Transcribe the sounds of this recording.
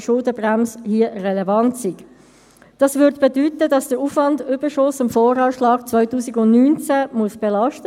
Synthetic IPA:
ʃʊldəbʁæmshiərɛlevɑntsiɡ | d̥ɑsvøɾdb̥edyːtədɑsd̥əɾuːfvɑndʏbəʃʊsɪmfɔːɾɑːʃlɑːɡ̥t͡sʋœʏtuːsiɡʊndnyːnt͡sæmuəsb̥ɛlɑʃtə

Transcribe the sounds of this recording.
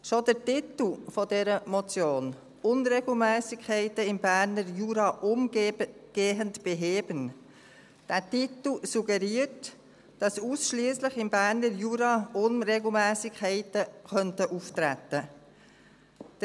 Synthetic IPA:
ʃodəɾtit̪l̩fɔdɛɾəmɔt͡sjoːn | ʊnɾeɡl̩mɛːsɪkʰːɛɪtəɪmbæːɾnəɾjuːɾɑʔʊmɡɡ̥eːɦəntb̥eɦeːbən | d̥æːtitl̩suɡɛɾiːəɾt | d̥ɑsusʃliːslɪχɪmbæːɾnəɾjuːɾɑʊnɾeɡl̩ˠmɛːsɪkʰːɛɪtəxœntəʔuftɾætə

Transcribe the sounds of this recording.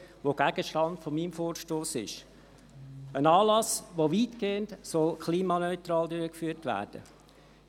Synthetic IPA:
ʋoɡ̥æɡ̥əʃtɑntfomiːmfoːɾʃtoːsɪ̰ʃ | ənɑːlɑsʋoʋiːtkeːəntsɔlkχliːmɑnœʏt̪ɾɑːldøɾəkfyːɾtʋæ̰ːɾd̥ə̰

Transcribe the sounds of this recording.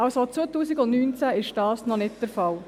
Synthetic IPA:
ɑlsot͡sʋoːətuːsɪɡʊndnyːnt͡sæɪʃd̥ɑːsnɔnɪt̚d̥əɾfɑl

